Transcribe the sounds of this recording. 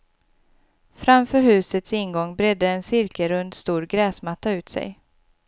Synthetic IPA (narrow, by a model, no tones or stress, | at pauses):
fɾamfœːɾhʉ̟ːsət̪sɪnɡɔŋːbɾɛd̪ːəːnsɪɾkəɾɵnd̪st̪uːɾɡɾɛːsmat̪ːaʉ̟ːt̪sɛ̰j